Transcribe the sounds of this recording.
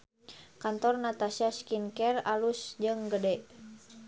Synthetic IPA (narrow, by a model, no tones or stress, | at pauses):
kant̪ɔrnat̪asiaskinkɛralusd͡ʒɨŋɡədɛʔ